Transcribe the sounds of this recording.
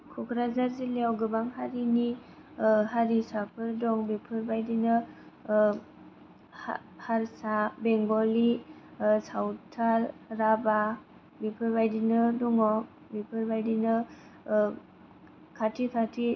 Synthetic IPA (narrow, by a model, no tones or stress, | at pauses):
kʰukʰɾazaɾzileawɡɯbaŋɦaɾini | ɦaɾisapʰɯɾdɔŋbipʰɯɾbajdinɯ | a | haɾsabeŋɡɔli | sawtʰalːaba | bipʰɯɾbajdinɯduŋɔ | bipʰɯɾbajdinɯ | kʰatʰikʰatʰi